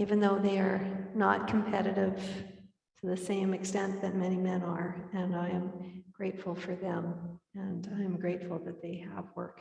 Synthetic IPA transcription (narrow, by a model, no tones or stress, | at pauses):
ivɨ̃nðoʊðeɪə˞nət̚kʰm̩pʰɛɾɨɾɪv̥ | tʰɨðɨsẽɪ̃mɨkstɛ̃nðɨt̚mɛñimɛ̃nə˞ɨ̃naɪɨ̃mɡ̥ɹeɪtfl̩ˠfə˞ðɨ̃mɨ̃naɪɨ̃mɡɹeɪtfl̩ˠðɨt̪̚ðeɪə̰vwɜ̰˞k